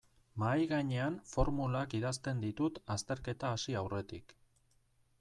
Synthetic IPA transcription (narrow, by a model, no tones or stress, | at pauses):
majɣaɲe̞anfo̞ɾmulakiðast̪e̞nd̪it̪ut̪ast̪e̞ɾke̞t̪aːsiawre̞t̪ik